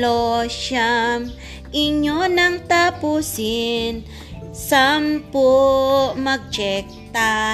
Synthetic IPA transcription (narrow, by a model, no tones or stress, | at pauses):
oʃam | ʔɪɲonɐŋt̪apusɪn | sampo | mɐɡ̚d͡ʒɛk̚t̪a